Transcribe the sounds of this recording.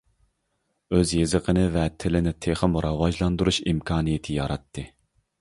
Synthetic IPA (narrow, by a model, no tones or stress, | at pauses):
øzjezɨqʰənɨvɛt̪ʰɪlɪnɪt̪ʰeχəmɾɑwɑʒlˠɑnd̪uɾuʃimkʰɑːnɨjɪt̪ʰɪjɑɾɑt̪ʰːɨ